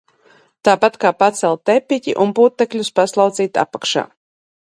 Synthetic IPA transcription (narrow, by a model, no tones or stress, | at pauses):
t̪aːpat̪kaːpat̪sɛlˠt̪ɛpʲːicʲḭʔunpuːt̪ːɛklʲuspaslˠawd̪ziːt̪a̰pakʃa̰ː